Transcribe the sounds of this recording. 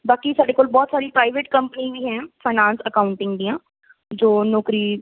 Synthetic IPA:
baːkisaːɖeːkoːlbɔːt̪saːɾipɾaːɪʋeːʈkəmpəniːʋiːɦɛ̃npʰaːnãːnsəkaːʊɳʈɪ̃ŋɡd̪ĩjãː | d͡ʒoːnɔːkɾiː

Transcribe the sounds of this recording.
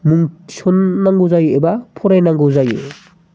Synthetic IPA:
muŋsɔnːaŋɡɔzajebapʰɔɾajnaŋɡɯwzajḛ

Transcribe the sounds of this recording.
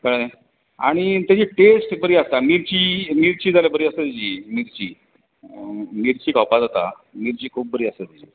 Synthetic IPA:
kəɽne | a̰ɽ̃it̪jat͡ɕiːʈesʈbəɾiːast̪amiɾt͡ɕiːmiːɾt͡ɕiːd͡zalebəɾiːəst̪et̪id͡ʑimiɾt͡ɕi | miɾt͡ɕiːkawpad͡zat̪a | miːɾt͡ɕiːkʰuːp̚bəɾiːəst̪et̪id͡ʑiː

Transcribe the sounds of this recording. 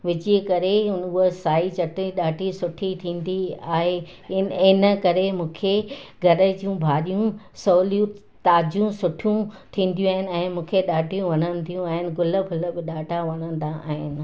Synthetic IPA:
ʋɪt͡ɕikɐɾeʊɦəsaːit͡ɕɐʈiɗaːʈisʊʈʰit̪ʰĩːn̆d̪iaːɦe | ɪnə̆kɐɾemũːkʰeɡʱɐɾə̆d͡ʑiũbʱaːɗijũ | soːlijũ | t̪aːd͡ʑjũsʊʈʰijũt̪ʰĩːn̆d̪ijũaːɦɪnɪ̆ɛ̃ːmũːkʰeɗaːʈijũʋɐnənɪ̆t̪ʰijũaːɦɪnɪ̆ɡʊləpʰʊləbɪɗaːɖʱaʋɐnə̃n̆d̪aa̰ːɦɪnɪ̆

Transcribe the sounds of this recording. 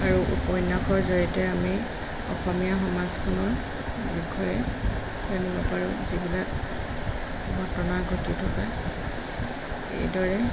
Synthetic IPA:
aɹuʔṵpɔjnakɔɹzɔɹitɛami | ɔ̰xɔmijaɦɔmazkʰɔnɔɹ | biɡʱɔjɛ | kanibɔpaɹuzibilak̚ | ɡʱɔtɔnaɡʱotitʰɔka | ḛjdɔɹɛ

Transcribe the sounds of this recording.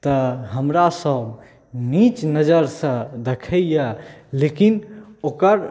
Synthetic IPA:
t̪əɦəmɾasəb | nit͡ʃnəd͡ʒəɾsə̃d̪ekʰəjjəlekinokəɾ

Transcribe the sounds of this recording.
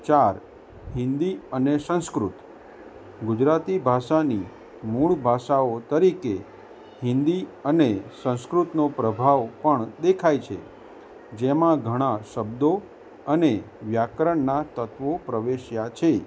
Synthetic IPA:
t͡ʃaɾ | ɦɪ̃nd̪iənesə̃skɾut̪ | ɡud͡ʒɾat̪ibʱaʃani | muɭbʱaʃaot̪əɾike | ɦɪ̃nd̪iənesə̃w̃skɾut̪nopɾəbʱaʋpəɳd̪ekʰajt͡ʃʰḛ | d͡ʒemãɡʱəɽ̃aʃəbd̪o | əne | ʋjakɾəɳnat̪ət̪ʋopɾəʋeʃjat͡ʃʰe

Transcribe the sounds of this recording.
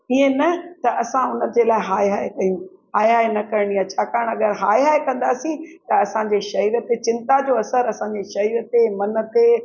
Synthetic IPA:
iɦẽnɐt̪ɐʔɐsãʊnəd͡ʑeːlaːeɦaːeɦaːekɐijũɦaːjɦaːenɐkɐɾɽ̃ijat͡ɕʰaːkaːəɽ̃ɐɠəɾɦaːeɦaːekɐ̃nd̪aːsĩt̪ɐɐsãɲd͡ʑeːʃɐɦiːɾə̆t̪et͡ɕɪ̃nt̪ad͡ʑoːɐsəɾɐsãɲd͡ʑeʃɐɦiːɾət̪emɐnə̆t̪e

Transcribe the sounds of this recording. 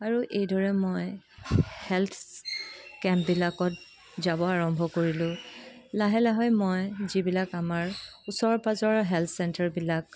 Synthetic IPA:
aɹuʔejdɔɹɛmoj | hɛlt̪ʰ | kɛ̃mp̚bilakɔt̚ | zabɔaɹɔmbʱɔkoɹilʊ̃laɦɛlaɦɔjmojzibilakamaɹusɔɹpazɔɹɦɛlt̪ʰsɛntɛɹbilak

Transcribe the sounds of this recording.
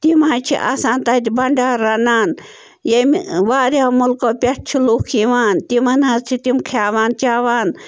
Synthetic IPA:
t̪imaːt͡ʃʰḭʔa̰ːsaːnt̪aːt̪ibɐɳɖaːɾɐnaːn | jemʋaːɾjaːmulkoːpʲɐʈ̚t͡ʃʰiluːkʰiʋaːnt̪imɐnhazt͡ʃʰit̪imkʰaːʋaːnt̪ʲaːʋaːn

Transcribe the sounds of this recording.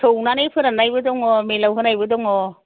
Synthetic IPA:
tʰownanepʰɯɾanajbɯdɔŋɔmelawɦɯnajbɯdɔŋɔ

